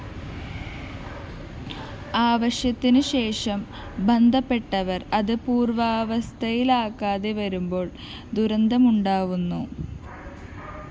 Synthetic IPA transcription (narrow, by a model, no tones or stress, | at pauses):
aːʋɐɕjɐt̪ːinɨɕe̞ːʂɐm | bɐnd̪ʱɐpːe̞ʈːɐʋɐrɐðɨpuːrʋaːʋɐst̪ʰɐjilaːkːaːðe̞ʋɐɾumbo̞ːɭ | d̪uɾɐnd̪ʱɐmuɳɖaːʋunːu